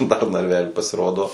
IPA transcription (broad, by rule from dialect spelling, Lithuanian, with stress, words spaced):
dɐr nɐrʲˈʋʲæːlʲiː pɐsʲɪˈroːdoː